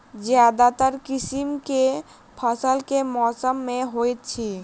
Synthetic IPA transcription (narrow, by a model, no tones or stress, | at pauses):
d͡ʒjaːd̪at̪əɾkɪsimke | pʰəsəlkemɔːsəmːẽɦoːjt̪̚t͡ʃʰi